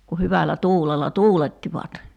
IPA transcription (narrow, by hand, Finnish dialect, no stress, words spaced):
ku hyʋælːæ tuːlelːɑ tuːletːiʋɑt